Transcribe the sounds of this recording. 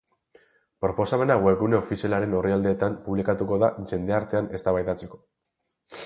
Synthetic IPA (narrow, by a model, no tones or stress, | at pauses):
pɾo̞po̞same̞naɣweɣune̞ofisialaɾe̞no̞riald̪e̞ːt̪ampuβlikat̪uko̞ðaʝe̞nd̪e̞aɾt̪e̞ane̞st̪aβajt̪at͡se̞ko̞̥